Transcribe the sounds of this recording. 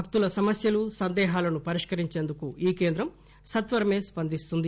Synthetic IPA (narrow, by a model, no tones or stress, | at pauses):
ɐk̚t̪ulɐsɐmɐsjɐlusɐnd̪ɛːɦaːlɐnupɐɾiʂkɐɾiɲt͡ʃe̞ːnd̪ukuiːke̞ːnd̪ɾɐm | sɐt̪ʋɐɾɐme̞ːspɐnd̪ist̪und̪i